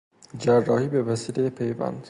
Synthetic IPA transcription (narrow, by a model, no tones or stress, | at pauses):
d͡ʒærːɒːhiːbevæsiːlejepʰejvæ̰nd̪̥